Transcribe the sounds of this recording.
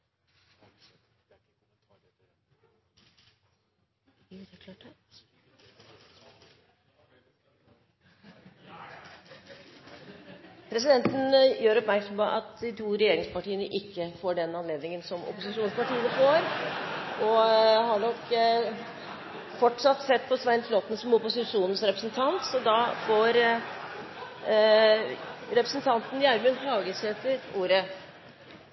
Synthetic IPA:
kʰlɑʈ | pʰɾɛs̬ɪd̪ɛnt̪n̩jøːɾɔpmæɾksɔmpoʔɑt̪d̪ɪt̪ʰuːɾɛjeːɾɪŋspɑʈiːənəʔɪkːəfoːɖɛnɑnleːd̪nɪŋənsɔmʊ̰pʊsɪʂuːnspɑʈiːənəfoːɾ | ɔhɑɳɔk | fɔʈʂɑt̪ːsɛt̪̚ːpʰɔsʋæɪnt̪loːt̪nəsɔmɔpʊsɪʂuːnnsɾɛpɾəsnt̪ʰɑnt̪sɔd̪ɑːfoːɾ | ɾɛpɾəsn̩t̪ʰɑnt̪n̩jæɾmʉnhɑːɡəseːt̪əɾuːɾə

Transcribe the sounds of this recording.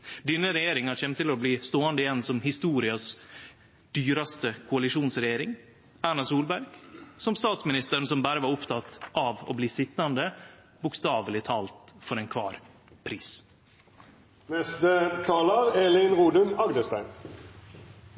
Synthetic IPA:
d̪ɪnːəɾɛjeːɾɪŋɑɕɛmt̪ʰɪlɔbliːst̪oːɑnd̪əɪjɛnsɔmhɪst̪uːɾɪɑs | d̪̥yːɾɑst̪əkʰʊɑlɪʂuːnsɾɛjeːɾɪŋ | æːɳɑsuːlbæɾɡ̥sɔmst̪ɑːt̪smɪnɪst̪əɾn̩sɔmbæːɾəʋɑɾʊpt̪ʰɑt̪ʔɑʋo̰ːbliːsɪt̪ːɑnd̪ə | bʊkst̪ɑːʋəlɪt̪ʰɑːlt̪fɔɾɛnkʰʋɑːɾ | pʰɾiːs | nɛst̪ət̪ʰɑːləʁɛlɪnʁuːd̪ʉnɑɡd̪əst̪æɪn

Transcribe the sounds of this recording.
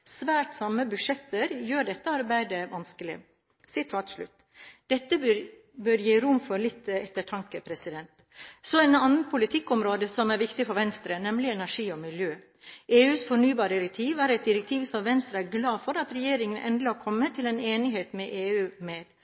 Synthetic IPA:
sʋæːʈsɑmːəbʉʂɛt̪ːəɾjøːɖɛt̪ːəɑɾbæɪd̪əʋɑnskəlɪ | sɪt̪ʰɑːt̪ʂɭʉ̰t̪ː | d̪̥ɛt̪ːəbɾ | bøɾjiːɾʊmfɔɾlɪt̪ːɛt̪ːəʈʰɑŋkəpʰɾɛsɪd̪ɛnt̪ | sɔɛnɑnənpʰʊlɪt̪ʰɪkːɔmɾoːd̪əsɔmæɾʋɪkt̪ɪfɔɾʋɛnst̪ɾənɛmlɪɛnæʂiːɔmɪljøː | ʔeːʉːsfɔɳyːbɑːɾɪɾɛk̚t̪ʰiːʋæɾɛɪt̪̚d̪ɪɾɛk̚t̪ʰiːʋsɔmʋɛnst̪ɾəæɾɡlɑːfɔɾɑt̪ɾɛjeːɾɪŋənʔɛ̰nd̪lɪɔkʰɔmːət̪ʰɪlɛneːnɪɦeːt̪mɛʔeːʉːmeːd̪̥

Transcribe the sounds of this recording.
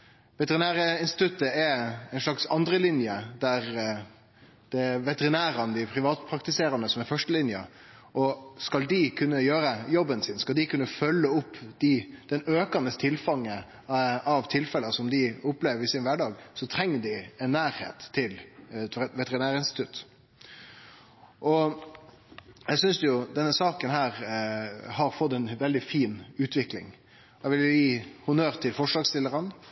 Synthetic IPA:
ʋɛt̪əɾɪnæːɾəɪnst̪ɪ̥t̪ʰʉt̪ːəɛæɪnʂlɑksɑnd̪ɾəlɪnjəd̪æɾ | d̪̥ɛʋɛt̪əɾɪnæːɾɑnəd̪ɪpʰɾɪʋɑːt̪pʰɾɑkt̪ɪseːɾɑnəsɔmɛɾfœʂʈəlɪnjə̰ | ʔɔskɑld̪ɪkʰʉnːəjøːɾəjɔbːənsɪnskɑld̪ɪkʉnːəfœlːəʊpːd̪̥ɪd̪̥ɛnøːkɑnəst̪ʰɪlfɑŋːə | ɑʋt̪ʰɪlfɛləsɔmd̪ɪʊpːleːʋəɾɪsɪnʋæɖɑːɡsɔt̪ʰɾɛŋːəɖɪɛnːæːɾhḛːt̪ʰːɪl | ʋɛt̪əɾɪnæːɾəɪnst̪ɪt̪ʉt̪ | ʔɔ | jæsʏnsjʊd̪ɛnːəsɑːkənhæːɾ | hɑɾfɔt̪ːɛnʋɛld̪ɪfiːnʉːt̪ʰʋɪklɪ̰ŋ | ɛʋɪljʊjiːhʊnøːɾt̪ʰɪlfɔʂlɑːɡst̪ɪlːəɾɑn

